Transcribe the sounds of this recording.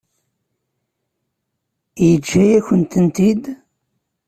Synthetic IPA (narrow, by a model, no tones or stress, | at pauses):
jət͡ʃːæjæçənt̪ənt̪id̪